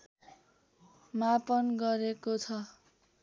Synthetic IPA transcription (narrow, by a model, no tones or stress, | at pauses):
mapʌnɡʌɾekot͡sʰʌ